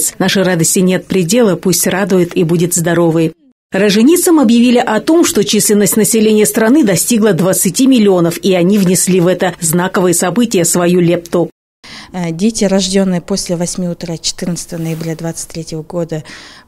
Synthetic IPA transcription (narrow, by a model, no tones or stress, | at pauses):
sʲnaʂɨrad̪əsʲtʲɪnʲe̞t̪̚pɾʲɪdʲe̞lˠəpusʲtʲrad̪ʊjɪt̪ibudʲɪt̪zd̪ɐɾo̞vɨj | rəʐɨnʲit̪səmɐbjɪvʲilʲɪʔɐt̪o̞mʂt̪o̞t͡ɕisʲlʲɪnəsʲtʲnəsʲɪlʲenʲɪjəst̪ɾɐnɨd̪ɐsʲtʲiɡlˠəd̪vət̪sɨtʲimʲɪlʲɪo̞nəfiɐnʲivnʲɪsʲlʲivɛt̪əznakəvɨjəsɐbɨtʲɪjəsvɐjulʲep̚t̪ʊ | dʲetʲɪɾɐʐdʲo̞nːɨjəposʲlʲɪvɐsʲmʲiʊt̪ɾat͡ɕɪ̥t̪ɨrnət̪sə̥t̪əvənəɪbɾʲad̪vat̪sɨ̥tʲt̪ʲːɾʲetʲɪvəɡo̞d̪ə